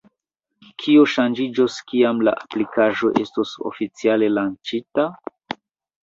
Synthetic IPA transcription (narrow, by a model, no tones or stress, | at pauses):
kʰioʃand͡ʒid͡ʒoskiamla̰ʔaplikaʒo̞ʔe̞stoso̰fit͡siale̞lant͡ʃita